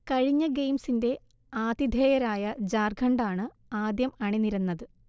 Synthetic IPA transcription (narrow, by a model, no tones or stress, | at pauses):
kɐɻiɲːɐɡejmsinde̞ | aːd̪id̪ʱeːjɐɾaːjɐd͡ʑaːrɡʱɐɳɖaːɳɨ | aːd̪jɐmɐɳiniɾɐnːɐðɨ